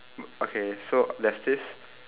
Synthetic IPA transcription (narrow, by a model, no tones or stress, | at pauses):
okʰesolɛtsd̪ɪs